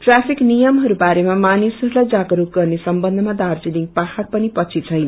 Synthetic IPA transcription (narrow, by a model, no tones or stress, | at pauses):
prasiknijʌmɦʌɾubaɾemamanisɦʌɾulajd͡zaɡʌɾuk̚ɡʌrnesʌmbʌnd̪ʱʌmad̪ard͡ziliŋpahaɾ̚pʌnipʌt͡sʰit͡sʰʌjn